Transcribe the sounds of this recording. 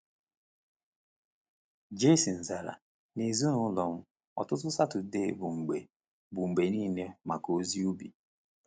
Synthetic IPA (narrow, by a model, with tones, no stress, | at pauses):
d͡ʒe˦si˨n̩˨za˨ɾa̰˨ | ne˨zu˦nʊ˨ʊ˦lɔ˨m̩˦ | ɔ̰˨tʊ˦tʊ˦sa˦tʊ˨de˦˨bʊ˨ŋ͡m̩˨ɡ͡be˨ | bʊ˨ŋ͡m̩˨ɡ͡be˨niː˦˨ne˦ma˨ko˦zi˦u˦bḭ˨